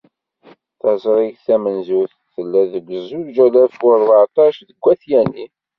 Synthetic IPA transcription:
θɑzˤɾˤiʝθæmənzuθ | θəlːæðəɡʷəzˤud͡ʒælæfʊɾˤvaʕt̪ˤɑʃðəɡʷːæθjæni

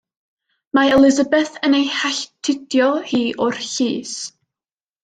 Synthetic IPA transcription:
maɛlˠɪzəbɛθənejhaɬtʰɪdjɔhiːʔʊrɬiːs

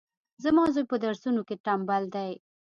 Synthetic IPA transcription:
zamɑzojpəd̪aɾsunokeʈambald̪aj

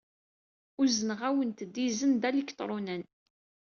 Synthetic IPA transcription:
ʊzənəʁæwənt̪əd̪ːizənd̪ælikt̪ˤɾˤunæn

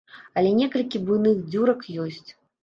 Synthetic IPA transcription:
ɐlʲɛnʲɛkɐlʲkʲibujnɨxd͡zʲuɾɐkjɔsʲt͡sʲ

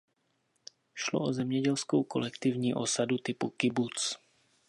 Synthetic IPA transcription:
ʃloʔozɛmɲɛɟɛlskowko̰lɛkt̪ivɲiːʔosadut̪ɪpukɪbut͡s

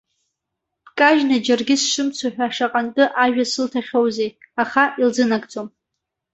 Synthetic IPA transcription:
pkʼaʒnad͡ʒarɡʲɪsʂɨmt͡sʷʰaħᶣʷaʂaqʼantʼɨʔaʒᶣasɨltʰaχʲowzejaχaʔild͡zɨnakʼt͡sʼom

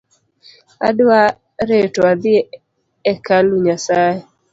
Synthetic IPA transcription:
a̰dwa | ɾetɔad̪ɪe | ɛkaluɲasae

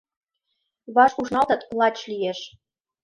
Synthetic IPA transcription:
βɑʃuʃnɑlt̪ɤ̆t̪lˠɑt͡ɕlijeʃ

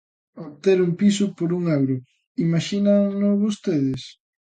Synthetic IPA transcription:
oβt̪eɾuŋpisʊpoɾuŋawɾʊ | imaʃinaŋnʊβost̪eðɪs

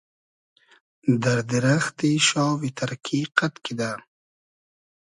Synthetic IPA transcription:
d̪aɾd̪ɪɾaxt̪iʃɑːwit̪ʰaɾkʰiqat̪kid̪a

